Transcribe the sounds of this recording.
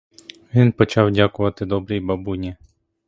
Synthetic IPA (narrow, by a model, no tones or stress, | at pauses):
ʋʲinpɔt͡ʃɑwdʲakʊʋɐt̪ɪd̪ɔbɾijbɐbunʲi